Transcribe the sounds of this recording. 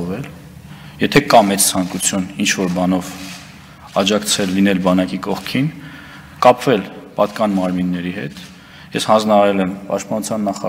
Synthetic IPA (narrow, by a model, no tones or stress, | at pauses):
vɛl | jɛt̪ʰɛkɑmɛt͡st͡sʰɑŋkut͡sʰjunint͡ʃʰvɔɾbɑnɔv | ɑd͡ʒɑkt͡sʰɛlːinɛlbɑnɑkikɔχkʰin | kɑpvɛlpɑt̪kɑnmɑɾminːɛɾihɛ̰t̪ | jɛshɑnd͡znɑɑɾɛlɛmpɑ̰ʃt̪̚pɑnut͡sʰjɑnːɑχɑ